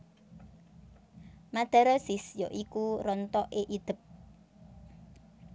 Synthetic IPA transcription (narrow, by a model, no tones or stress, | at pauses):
mad̪̥a̤ɾɔsisjɔʔikuɾɔnt̪ɔʔeʔid̪̥ə̤p̚